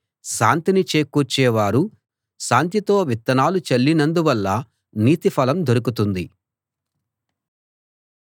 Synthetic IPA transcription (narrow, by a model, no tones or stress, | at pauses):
ʃaːnt̪init͡ʃeːkːut͡ʃːɛːʋaːɾu | ʃaːnt̪it̪o̞ːʋit̪ːɐnaːlut͡ʃɐlːinɐnd̪uʋɐlːɐ | niːt̪ipʰɐlɐmd̪oɾukut̪und̪i